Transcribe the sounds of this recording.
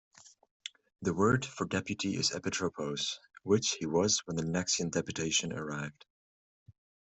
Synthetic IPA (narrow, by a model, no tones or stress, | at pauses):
ðəwɜ˞d̥fə˞dɛpjɨɾiʔɪ̰zɛ̰pɨtʰɹ̥opʰoʊz̥wɪt͡ʃhiwʌzwə̃nðɨnæksiɨ̃ndɛpjɨtʰeɪʃɨ̃nə̰˞aɪvd̥